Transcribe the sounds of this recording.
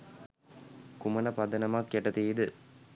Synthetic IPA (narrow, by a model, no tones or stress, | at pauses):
kumɐnɐpɐd̪ɐnɐmakːjeʈɐt̪iːd̪ɨ